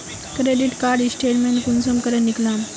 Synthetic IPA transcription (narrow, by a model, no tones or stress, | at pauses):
kɾeɖiʈkaɾɖisʈeʈmeɳʈkunsəmkəɾənːiklam